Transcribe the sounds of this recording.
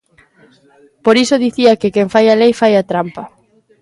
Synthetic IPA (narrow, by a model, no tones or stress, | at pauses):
poɾisoðiθiakɪkeŋfajalejfajat̪ɾampɐ